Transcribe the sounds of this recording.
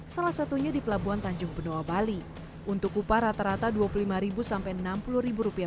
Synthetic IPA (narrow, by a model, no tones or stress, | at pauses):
salasat̪uɲadipəlabuant̪aɲd͡ʒʊŋbənoabali | ʔunt̪ʊkːupaɾat̪aɾat̪aduapululimaɾibusampajənampuluɾibuɾupia